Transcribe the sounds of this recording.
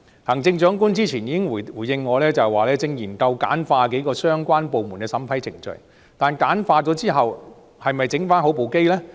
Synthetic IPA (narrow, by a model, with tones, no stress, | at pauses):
hɐː˨˩ŋt͡sɪ˧ŋt͡ʃœː˨˥ŋku˥nt͡siː˥t͡sʰiː˨˩njiː˨˧kɪ˥ŋ˨˩uː˨˩jɪ˧ŋːɔː˨˧lɛː˥t͡sɐ˨˩waː˨lɛː˥t͡sɪ˧ŋjiː˨˩nt̪ɐ˧wka̰ː˨˥nfaː˧k̬e˨˥jkɔː˧sœː˥ŋkʷaː˥npo˨wmu˨˩nkɛː˧sɐ˨˥mpʰɐ˨˥jt͡sʰɪ˨˩ŋt͡ʃɵ̰˨ɥ | t̪aː˨nkaː˨˥nfaː˧t͡sɔ˨˥t͡siː˥ɦɐ˨w | hɐ˨jmɐ˨˩jt͡sɪ˨˥ŋfaː˥nho˨˥wpo˨wke˥jlɛː˥